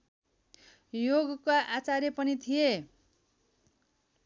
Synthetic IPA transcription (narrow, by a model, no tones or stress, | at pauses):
joɡkaʔat͡saɾepʌnit̪ʰije